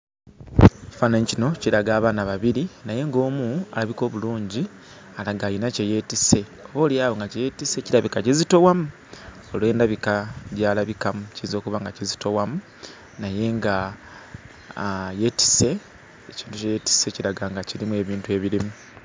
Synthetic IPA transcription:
fanaɲicino̞ciɾaɡaːβaːnaβaβiɾinaje̞ŋɡo̞ːmua̰laβiko̞ːβuluːɲɟi | alaɡaːjinace̞je̞ːtise̞ | o̞βo̞ːljaːβoŋɡaceje̞ːtise̞ciɾaβikacizito̞wamu | olwe̞ːndaβikaɟaːlaβikamucizo̞ːkuβaŋɡacizito̞wamu | naje̞ŋɡa | je̞ːti̥se̞ː | ciːntucejeti̥se̞ciɾaɡaŋɡaciɾimue̞ːβiːntuweβiɾimu

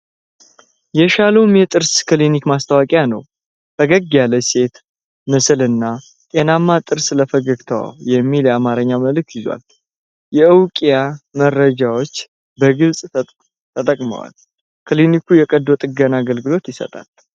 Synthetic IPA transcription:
jɛʃaləwmjɛt̪ʼɨɾskɨlinikmast̪ʰawakʼejanə̰w | ʔəɡəɡːjaləse̞t̪ | mɨsɨlɨnːa | t̪ʼenamːat̪ʼɨɾsləfəɡəɡt̪ʰə̰wa̰jɛmːiljɛamaɾəɲːaməlɨk̚t̪jɪzwa̰l | jɛɨwkʼijamərːəd͡ʒawo̞t͡ʃː | bəɡɨlsʼ | t̪ʰət̪ʼəkʼmə̰wa̰l | kʰlinikʰujɛkʼəd̪ːot̪ʼɨɡənaɡəlɡɨlo̞t̪jɪsə̰t̪ʼa̰l

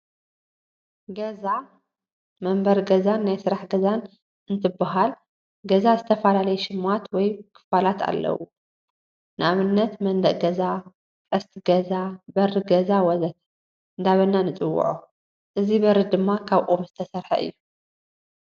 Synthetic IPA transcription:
ɡɐza | mɐmbɐɾɡɐzanːajsɨɾaħɡɐzan | ɨnt̪ʰɨbaɦal | ɡɐzazɨt̪ʰɐfɐlalɐjɛʃɪmat̪wɔjkʰɨ̥falat̪ʰa̰lːɐ̰wu | nɨʔaβɨnːɐt̪mɐnd̪ɐʔɡɐza | kʼɐst̪ʰɡɐzabɐɾɨɡɐzawɔzɐt̪ | ɨnd̪aβɐnːanɨt͡sʼɨwːʊ̰ʕu | ʔɨzibɐɾɨd̪ɨmːakʰaβʔʼomzɨt̪ʰɐsɐɾħɐ̰ʔɨ̰jːu

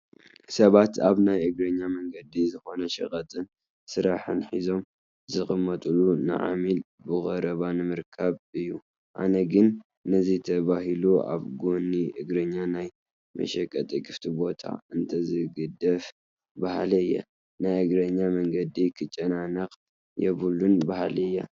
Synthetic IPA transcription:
sɐβat̪aβnajʔɨɡɾɐɲːamɐŋɡɐd̪izɨxo̞nɐʃɐ̰kʼɐt̪ʼɨn | sɨɾaħɨnħizo̞m | zɨxʼɨmːɐt̪ʼulunɨ̰ʕa̰mil | bɨɣʼɐɾɐβanɨmɨɾkʰaβɨjːu | ʔa̰nɐɡɨnː | ɨzit̪ʰɐβaɦilua̰βɡuniʔɨɡɾɐɲːanaj | mɐ̰ʃɐkʼːɐt̪ʼiɡɨft̪ʰibo̞t̪ʰa̰ɨnt̪ʰɐzɨɡɨd̪ɐf | bahlɨɨjːɐ̰ | najʔɨɡɾɐɲːamɐŋɡɐd̪ikʰɨt͡ʃʼːɐnanɐkʼ | jɛβɨlunbahlɨjːɐ̰

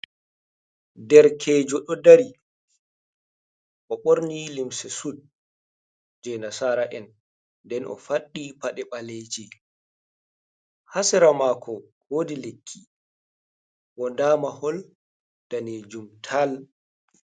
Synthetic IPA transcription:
dɛɾkʰɛːd͡ʒɔɗɔdaɾi | ʔɔɓoɾnilimsɛsud̚ | d͡ʒɛnasaɾaʔɛn | dɛnʔɔ̰faɗːipaɗɛɓaleːd͡ʒɛ | hasɛɾamaːkʰɔ | hodilekʰːi | wɔndaːmahɔl | d̥aneːd͡ʒumtʰal

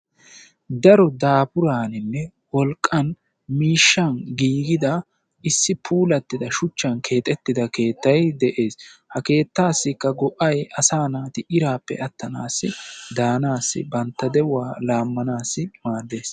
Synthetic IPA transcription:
d̪ɐɾɔd̪aːpʊɾaːnɪnːɛ | wɔlkʼːɐn | miːʃːɐnɡiːɡɪd̪ɐ | ɪsːɪpʰuːlɐt̪ːɪd̪ɐʃʊt͡ʃːɐnkʰe̞ːt̪ʼɛt̪ːɪd̪ɐke̞ːt̪ːɐjd̪ɛʔe̞ːshɐke̞ːt̪ːaːsːɪkːɐɡɔʔɐjɐsaːnaːt̪ɪʔɪɾaːpːɛ̰ʔɐt̪ːɐnaːsːɪd̪aːnaːsːɪ̰bɐnt̪ːɐd̪ɛwaːlaːmːɐnaːsːɪmaːd̪e̞ːs

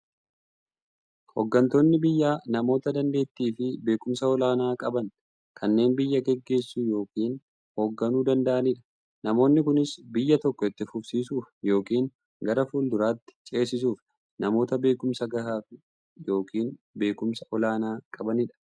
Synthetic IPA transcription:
hoɡːɐnt̪o̞ːnːɪbɪjːaːnɐmo̞ːt̪ɐd̪ɐnd̪e̞ːt̪ːiːfɪbe̞ːkʊmsɐɔlaːnaːkʼɐbɐn | kʰɐnːe̞ːnbɪjːɐɡɛɡːe̞ːsːuːjo̞ːkiːn | ho̞ːɡːɐnuːd̪ɐnd̪ɐʔɐnɪᶑɐ̥ | nɐmo̞ːnːɪkʊnɪsbɪjːɐt̪ɔkːɔɪt̪ːɪfʊbsiːsuːfjo̞ːkiːn | ɡɐɾɐfuːld̪ʊɾaːt̪ːɪ̥t͡ʃʼe̞ːs̬ɪs̬uːf | nɐmo̞ːt̪ɐbe̞ːkʊmsɐɡɐhaːfɪ | jo̞ːkʰiːn | be̞ːkʊmsɐʔɔlaːnaːkʼɐbɐnɪᶑɐ̥

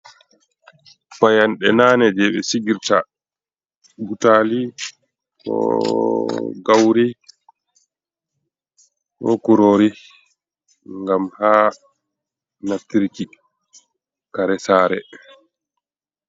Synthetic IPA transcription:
pajanɗɛnanɛd͡ʒɛɓɛsiɡiɾta | ɡutaːli | kɔ̰ | ɡawɾi | kɔ̰kuɾoːɾi | ŋɡamha | natːiɾki | kaɾɛsaːɾɛ̰

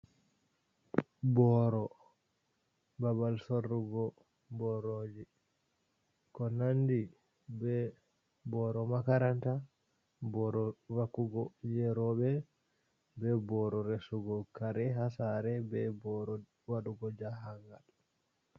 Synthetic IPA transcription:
bɔɾɔ | babalsorːuɡɔ | bɔɾoːd͡ʒi | kɔnandi | bɛ | bɔɾɔmakaɾanta | bɔɾɔwakːuɡɔjɛɾɔɓɛ | bɛbɔɾɔɾɛsuɡɔkaɾɛɦasaɾɛbɛbɔɾ | waɗuɡɔd͡ʒaɦaŋɡal

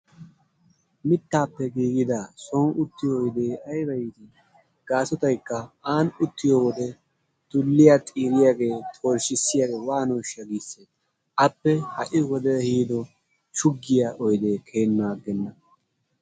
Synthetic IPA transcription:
mɪt̪ːaːpːɛɡiːɡɪd̪asɔnʊt̪ːɪjɔːjd̪e̞ːɐjɾɐjt̪ɪ | ɡ̥aːsɔt̪ɐjkːɐaːnʊt̪ːɪjoːwɔd̪ɛ | t̪ʊlːɪjat̪ʼiːɾɪjaːɡe̞ːt̪ʰʼoːlʃɪsːɪjaːɡe̞ːwaːnoːʃɐɡiːsɛ | ɐpːɛhɐʔɪwɔd̪ɛhiːd̪ɔ | ʃʊɡːɪjaʔɔjd̪e̞ːkʰeːnːaːɡɛnːɐ

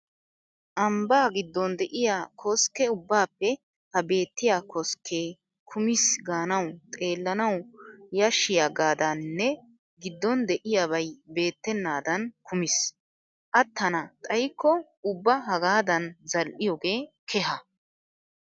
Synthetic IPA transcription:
ʔɐmbaːɡɪd̪ːɔnd̪ɛʔɪjaːkʰɔskːɛʊbːaːpːɛ | hɐbe̞ːt̪ːɪjaːkɔskʰːeː | kʰʊmɪsɡaːnɐwt̪ʼe̞ːlːɐnɐwjɐʃːɪjaɡaːd̪ɐnːɛ | ɡɪd̪ːɔnd̪ɛʔɪjaːβɐjbe̞ːt̪ːɛnːaːd̪ɐnkʰʊmɪs | ʔɐt̪ːɐnɐt̪ʼɐjkːɔ | ʊbːɐɦɐɡaːd̪ɐnzɐlʔɪjɔɡe̞ːkʰɛɦɐ

